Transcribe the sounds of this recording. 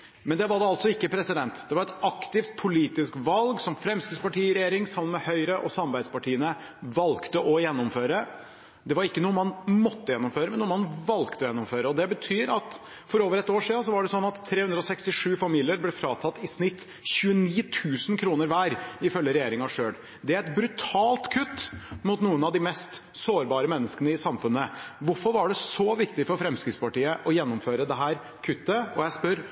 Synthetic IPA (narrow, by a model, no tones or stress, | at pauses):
mɛnd̪ɛʋɑɖɛɑlt̪sɔɪkːəpʰɾɛsɪd̪ɛnt̪d̪̥ɛʋɑɾɛt̪ɑkt̪ɪft̪̚pʰʊliːt̪ɪskʋɑlɡsɔmfɾɛmskəspɑʈʰiːɪɾɛjeːɾɪŋsɑmːənmɛhœʏɾəʔɔsɑmɾbæɪd̪spɑʈʰiːənə | ʋɑlkt̪əʔɔjɛnːʊmføːɾə | d̪ɛʋɑɾɪkːənuːəmɑnmɔt̪ːəjɛnːʊmføːɾəmɛnuːəmɑnʋɑlkt̪əɔjɛnːʊmføːɾəɔd̪ɛbət̪ʰyːɾɑt̪ | fɔɾoːʋəɾɛt̪ːoːʂiːd̪ɑns̬ɔʋɑɖɛsɔnːɑt̪ʰːɾeːhʉnd̪ɾɔsɛkst̪ɪʂʉːfɑmiːlɪəɾblɛfɾɑːt̪ʰɑt̪ːɪsnɪt̪ː | çʉːəniːt̪ʰʉːsənkʰɾuːnəɾʋæːɾɪfœljəɾɛjeːɾɪŋɑʂøːɽ | d̪ɛæɾɛt̪bɾʉt̪ʰɑːlt̪kʰʉt̪ːmʊt̪nuːənɑʋd̪ɪmɛst̪soːɾbɑːɾəmɛnːəskənəɪsɑmfʉnːəʋʊɾfɔɾʋɑɖɛsɔʋɪkt̪ɪfɔɾfɾɛmskɾɪt̪spʰɑʈiːəʔɔjɛnːʊmføːɾəd̪ɛɦæːɾ | kʰʉt̪ːəɔjæɪspœɾ